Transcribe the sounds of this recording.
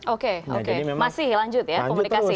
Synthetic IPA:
okeo̰kemasɪhlaɲd͡ʒʊt̪̚jaomunikasɪ

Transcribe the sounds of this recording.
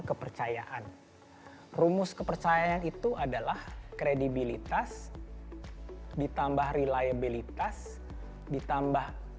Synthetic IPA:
kəpərt͡ʃajaʔan | rumʊskəpərt͡ʃajaanit̪uadalahkɾedibilit̪as | dit̪ambahrilajabilit̪as | dit̪ambah

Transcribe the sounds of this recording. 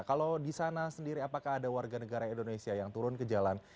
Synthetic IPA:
kalodisanasəndiɾiapakaɦːdawarɡanəɡaɾaindonesiajaŋt̪uɾʊnkəd͡ʒalan

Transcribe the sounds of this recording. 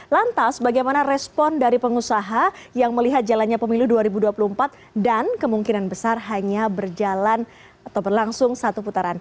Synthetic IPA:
lant̪asbaɡajmanaɾɛspɔndaɾipəŋusaɦajaŋməliɦat̪̚d͡ʒalanɲapəmiluduaɾibuduapuluəmpat̪̚ | dankəmuŋkinanbəsarɦaɲabərd͡ʒalan | at̪awbərlaŋsʊŋsat̪uput̪aɾan

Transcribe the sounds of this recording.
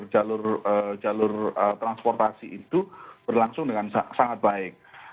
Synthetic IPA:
rd͡ʒalʊrə̥d͡ʒ̥alʊrət̪ɾanspɔrt̪asiʔit̪ub̥ərlaŋsʊŋdəŋansasaŋat̪̚b̥aɪk̚

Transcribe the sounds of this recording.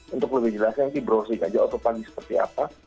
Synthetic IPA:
unt̪ʊkləbɪhd͡ʒəlasɲat̪ibəɾosika̰d͡ʒaʔat̪opaɡisə̥pərt̪ia̰pa

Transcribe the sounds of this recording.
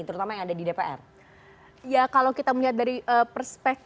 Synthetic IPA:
t̪əɾut̪amajaŋadadidepeʔɛ̰r | jakalawkit̪aməliɦat̪̚daɾiʔəpərspɛk̚

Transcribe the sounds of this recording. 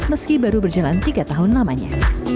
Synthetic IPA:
məskibaɾubərd͡ʒalant̪iɡat̪aɦʊnlamaɲa̰

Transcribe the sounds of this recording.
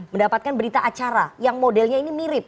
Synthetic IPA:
məndapat̪̚kanbəɾit̪aʔat͡ʃaɾajaŋmodɛlɲainimiɾɪp̚

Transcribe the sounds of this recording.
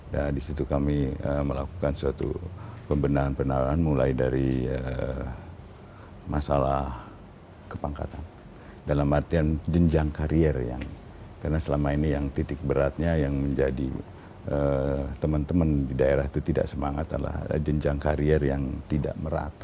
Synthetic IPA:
dadisit̪ukamiəməlakukansəat̪ṵpəmbənaŋanpənaɾaanmulaidaɾiə | masalah | kəpaŋka̰t̪an | dalamart̪iand͡ʒəɲd͡ʒaŋkaɾiɛrja̰ŋ | karnasəlamainijaŋt̪it̪ɪk̚bəɾat̪̚ɲajaŋməɲd͡ʒadḭ | ʔət̪əmənt̪əməndidaeɾaht̪ut̪ida̰ʔsəmaŋat̪a̰la̰hd͡ʒəɲd͡ʒaŋkaɾiɛrjaŋt̪ida̰ʔməɾa̰t̪

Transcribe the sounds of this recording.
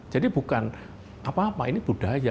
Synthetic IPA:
d͡ʒ̥adib̥ukan | ʔapaːpa̰inib̥ud̥a̤ɦja

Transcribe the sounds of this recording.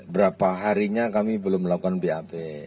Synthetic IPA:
bəɾapaɦaɾiɲakamibəlʊmːəlakukanbeape

